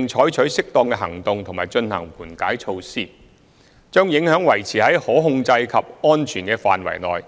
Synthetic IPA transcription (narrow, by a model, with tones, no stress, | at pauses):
ŋt͡ʃʰɔː˨˥jt͡ʃʰɵ˨˥ɥsɪ˥k̚t̪ɔː˧ŋkɛ˧ɦɐ˨˩ŋt̪ʊ˨ŋt̪ʰʊ˨˩ŋmaː˨˩jt͡ʃɵ˧nhɐ̰˨˩ŋpuː˨˩nkaː˨˥jt͡ʃʰo˧wsiː˥ | t͡ʃœː˥ŋjɪ˨˥ŋhœː˨˥ŋwɐ˨˩jt͡sʰiː˨˩hɐ˨˥jhɔː˨˥ɦʊ˧ŋt͡sɐ˧jkʰɐ˨p̚ɔː˥nt͡ʃʰyː˨˩nkɛː˧faː˨nwɐ̰˨˩jlɔ̰ː˨j